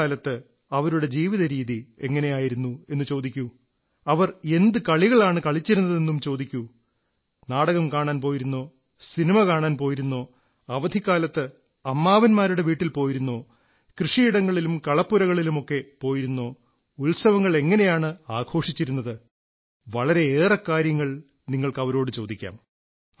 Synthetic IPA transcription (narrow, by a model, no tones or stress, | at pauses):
aːlɐt̪ːɨ | ɐʋɐɾuɽe̞d͡ʑiːʋiðɐɾiːðie̞ŋːɐne̞jaːjiɾunːue̞nːɨt͡ɕo̞ːd̪ikʲːu | ɐʋɐre̞nd̪ɨkɐɭiɣɐɭaːɳɨkɐɭit͡ɕːiɾunːɐðe̞nːumt͡ɕo̞ːd̪ikʲːu | naːɽɐɣɐmkaːɳaːnpoːjiɾunːo̞ː | sinimɐkaːɳaːnpo̞ːjiɾunːo̞ː | ɐʋɐd̪ʱikːaːlɐt̪ːɨ | ɐmːaːʋɐnmaːɾuɽe̞ʋiːʈːilpo̞ːjiɾunːo̞ː | krɨʂiiɽɐŋːɐɭilumkɐɭɐpːuɾɐɣɐɭilumo̞kːe̞po̞ːjiɾunːo̞ː | ulsɐʋɐŋːɐɭe̞ŋːɐne̞jaːɳɨaːɡʰʱo̞ːʂit͡ɕːiɾunːɐðɨ | ʋɐɭɐɾe̞eːrɐkːaːɾjɐŋːɐɭ | niŋːɐɭkɐʋɐɾo̞ːɽɨt͡ɕo̞ːd̪ikʲːa̰ːm